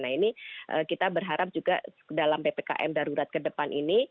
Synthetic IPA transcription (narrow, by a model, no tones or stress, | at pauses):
nainiʔə̰kit̪abərɦaɾap̚d͡ʒuɡa̰ | dalampepeka̰ʔɛ̰mdaɾuɾat̪̚kədəpanʔini